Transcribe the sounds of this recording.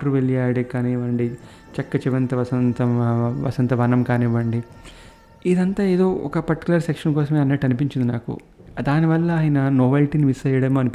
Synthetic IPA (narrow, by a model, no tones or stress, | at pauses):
ɐɾuʋeɭijaːɽikaːniːʋɐɳɖi | t͡ʃɛkːɐt͡ʃiʋɐnt̪ɐʋɐsɐnt̪ɐʋɐ̰sɐnt̪ɐʋɐnɐmkaːniːʋɐɳɖi | id̪ɐnt̪aːeːd̪o̞ːʔɔ̰kɐpɐɾʈi̥kulɐɾsekʂɐnkɔːsɐmeːɐnːɐʈːɐnipiɲt͡ʃind̪inaːkṵ | d̪aːniʋɐlːɐaːjɐnɐnoːʋɐlʈiːniʋisɐjɐɽɐmoːɐnipi